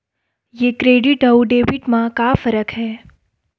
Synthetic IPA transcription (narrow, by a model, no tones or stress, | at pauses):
jeːkɾeːɖɪʈəuɖeːʋɪʈmãkafəɾəkɦɛː